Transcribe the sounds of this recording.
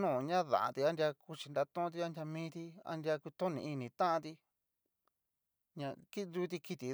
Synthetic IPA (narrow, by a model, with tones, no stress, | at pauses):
nũː˦˨˧ɲã˦ðã̰˨ʔã̰˧t̪i˧a˦nd̪ja˧ku˧t͡ʃi˨nd̪a˧t̪õ˦˧t̪i˧a˦ndʲja˧mĩː˦t̪i˧a̰˦nd̪i˧a˧ku˧t̪õ˦nĩ˧˨i˧nĩ˨t̪ã˦ʔã˧t̪i˧ | ɲã˧ki˦˧nd̪uː˧˦t̪̬i˧ki˧t̪i˨